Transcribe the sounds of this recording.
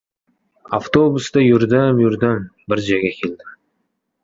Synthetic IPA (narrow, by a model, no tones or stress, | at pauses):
aft̪obʊst̪ɑjʏɾd̪ɪmjʏɾd̪ɪmbɪɾd͡ʒaɡʲakʲʰeld̪ɪ